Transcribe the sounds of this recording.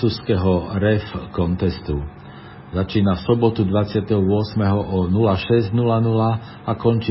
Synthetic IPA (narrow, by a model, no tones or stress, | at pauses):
uːskɛɦɔɾɛfkɔnt̪ɛst̪u | zat͡ʃiːnafsɔbɔt̪ud̪ʋat͡sɪat̪ɛɦɔʊɔsmɛɦɔʔɔnulaʃɛzɟnulanula | akɔnt͡ʃiː